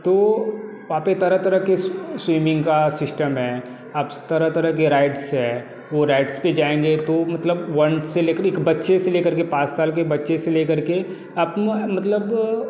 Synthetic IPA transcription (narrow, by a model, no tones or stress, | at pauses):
t̪oː | ʋɐɦãːpet̪ɐɾət̪ɐɾəkeswiːmɪ̃ŋɡkasɪsʈəmɦɛː | ɐb | t̪ɐɾət̪ɐɾəkeɾaːɪʈsɦɛ | ʋoɾaːɪʈsped͡ʒaːẽːŋɡet̪omɐt̪ləbʋɐɳʈseleːkəɾekbɐtːʃeseleːkɐɾkepãːt͡ʃsaːlk̬ebɐtːʃeseleːkɐɾke | ɐbmɐt̪ləb